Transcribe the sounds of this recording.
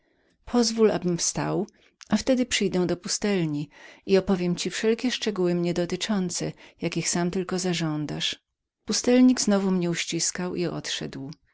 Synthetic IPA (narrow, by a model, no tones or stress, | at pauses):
pʰɔzvula̰bɘmfst̪a̰w | ʔaft̪ɛd̪ɘpʂɘjd̪ɛw̃d̪ɔpust̪ɛlɲiiɔpɔvʲjɛmt͡ɕifʂɛlkʲɛʂt͡ʂɛɡuwɘmɲɛd̪ɔt̪ɘt͡ʂɔnt̪sɛjakʲixsamt̪ɘlkɔzaʐɔnd̪aʂ | pust̪ɛlɲiɡznɔvumɲɛuɕt͡ɕiskawiɔ̰t̪ʂɛ̰d̪w